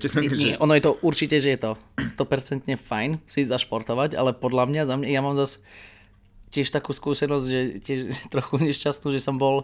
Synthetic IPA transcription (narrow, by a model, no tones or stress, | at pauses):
ɛt̪ɲɛʔɔnɔjɛt̪ɔʔuɾt͡ʃicɛʒɛjɛt̪ɔst̪ɔpɛɾt͡sɛnt̪ɲɛfajnsizaʃpɔɾt̪ɔʋaca̰lɛpɔd̪lamɲazamɲajamaːmzas | cɪɛʃt̪akuːskuːsɛnɔzɟʒɛcɪɛʃt̪ɾɔxuɲɛʃcast̪nuːʒɛsɔmbɔl